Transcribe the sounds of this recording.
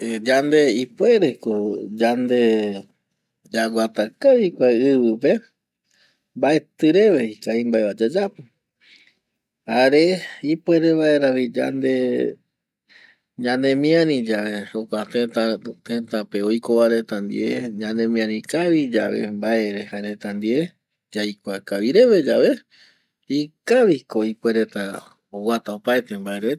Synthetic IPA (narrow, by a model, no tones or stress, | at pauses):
ed͡ʒand̪e̞ipwe̞ɾe̞kod͡ʒand̪e̞ | d͡ʒaɡʷat̪akaβikʷaɨβɨpe̞ | mbae̞t̪ɨɾe̞βeikaimbaeβad͡ʒad͡ʒapɨ | haɾeipwe̞ɾeβae̞ɾaβid͡ʒa̰nd̪e̞ | ɲãnẽ̞mĩãɾĩd͡ʒaʋe̞okʷat̪et̪at̪ẽt̪ãpe̞o̞jkoβaɾe̞t̪and̪ḭʔeɲãnẽ̞mĩãɾĩkaβid͡ʒaβḛmbae̞ɾe̞haɾe̞t̪and̪ie | d͡ʒajkʷakaʋiɾe̞ʋe̞d͡ʒaʋe̞ | ikaʋiko̞ipwe̞ɾe̞t̪a | owat̪aopaet̪e̞mbaeɾe